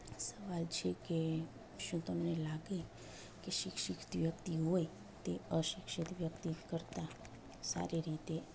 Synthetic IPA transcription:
səʋalt͡ʃʰeke | ʃũt̪əmnelaɡe | keʃɪkʃɪkt̪ʋjəkt̪iɦoj | t̪eəʃɪkʃit̪ʋjəkt̪ikəɾt̪a | sa̰ɾiɾit̪e

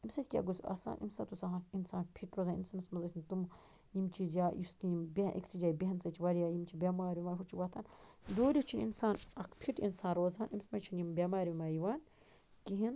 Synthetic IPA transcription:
imsɐt̪ʰʲkʲa̰ɡusɐ̰sa̰ːnʔḭmsat̪usaɦaninsaːnpʰiʈɾoːzaːnḭnsɐmɐsmɐzɐsʲint̪um | jimt͡ʃʰizʲjaːjist̪imbʲeʔḭksid͡ʒaːjbʲiɦɐnsɐt͡ʃʰiʋɐɾijaːjimt͡ʃʰibʲamaːɾimaːɦut͡ʃʰiwɐt̪ʰaːn | d̪oːɾʲit͡ʃʰinḭnsaːnɐkʰpʰiʈḭnsãːnɾoːzaːnimsmɐt͡ʃʰinjimbʲamaːɾʲimaːjiʋaːn | kiɦin

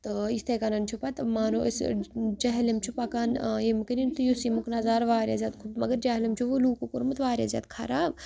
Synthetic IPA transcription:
t̪ist̪ʰekanɐnt͡ʃʰupat̪maːnoḭsd͡ʒɐɦɐlemt͡ʃʰupakanemkɐnint̪ujosimuknɐzaːɾʋaːɾʲja̰zʲaːt̪kʰumɐɡɐɾd͡ʒɐɦlimt͡ʃʰuʋuluːkokuɾmɨt̪ʋaːɾʲja̰zʲa̰ːt̪kʰa̰ɾaː

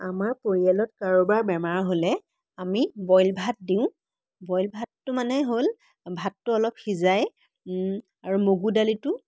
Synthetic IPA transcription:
amaɹpoɹialɔtkaɹobaɹbɛmaɹɦolɛ | amibɔjlbʱat̚diʊ̃ | bɔjlbʱatːʊmanɛɦol | bʱatːʊɔlɔpxizaj | aɹumoɡudalitʊ

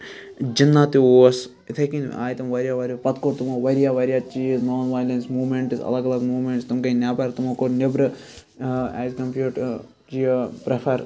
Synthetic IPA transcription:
d͡ʒinːaːt̪ioːɐs | it̪ʰɐkĩn̰a̰ːjt̪ɐmʋɐɾʲjaːʋɐɾʲɐpɐt̪koʈt̪umoːʋɐɾijaːʋɐɾʲjaːt͡ʃiznoːnʋaːjlensmuːmeɳʈisɐ̰lɐɡɐlɐɡmuːmeɳʈst̪umkɐnʲjaːpɐːɾt̪umoːkoɾnebɾɨ | ɛ̰ːzkɐmpjuːʈ | t͡ʃijpɾepʰɐɾ

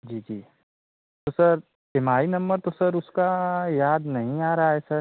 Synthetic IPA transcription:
d͡ʒiːd͡ʒiː | t̪osɐɾ | bɪmaːinɐ̃mbəɾt̪osɐɾʊskajaːd̪nɐɦĩaːɾaɦaɦɛsɐɾ

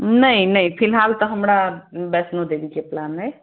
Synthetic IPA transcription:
nəinəipʰilɦalt̪ɔɦəmɾabɛsnod̪ebikeplanɦəj

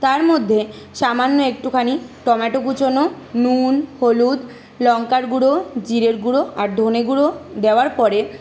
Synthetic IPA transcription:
t̪aɾmod̪ʱːe | ʃamanːoek̚ʈukʰaniʈɔmaʈokut͡ɕono | nunholud̪ | lɔŋkaɾɡuɽod͡ʑiɾeɾɡuɽoʔaɾd̪ʱoneɡuɽod̪eoaɾpɔɾe

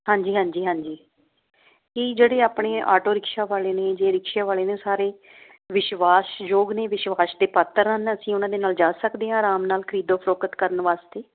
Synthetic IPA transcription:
ɦãːɲd͡ʒiːɦãːɲd͡ʒiːɦãːɲd͡ʒiː | kid͡ʒeːɽeːaːpɳeːa̰ːʈoːɾɪkʃaːʋaːleːneːd͡ʒeːɾɪkʃaːʋaːleːnẽːsaːɾeː | ʋɪʃʋaːsd͡ʒoːɡneːʋɪʃʋaːsd̪eːpət̪ːəɾanəsĩːʊnãːd̪eːnaːld͡ʒaːsəkd̪eːɦãːɾaːmnaːlkʰəɾiːd̪õːpʰəɾoːkət̪kəɾənʋaːst̪eː

